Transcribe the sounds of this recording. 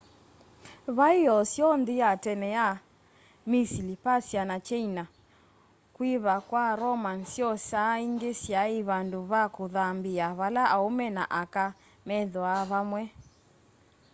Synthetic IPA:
βaiɔsjɔndiatɛnɛja | misilipasjanat͡ʃɛina | kwiβakwaɾɔmansjɔsaiŋɡesjaiβanduβakoðambiaβalaʔaomɛna̰ʔaka | mɛðɔaβamwɛ

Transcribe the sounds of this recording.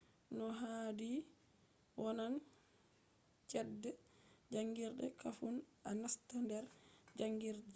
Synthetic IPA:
nɔɦadi | wɔnan | t͡ʃɛdːɛd͡ʒaŋɡiɾɗɛ̰kafunanastandɛɾd͡ʒaŋɡiɾdɛ

